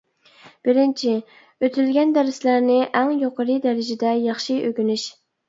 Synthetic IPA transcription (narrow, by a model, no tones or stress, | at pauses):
b̥ɪɾɪnt͡ʃʰi | øt̪ʰylɡʲɛnd̪æɾɪslæɾnɪʔæŋjoqəɾɨd̪æɾɪd͡ʒɛd̪ɛjɑχʃiʔøɡʲynyʃ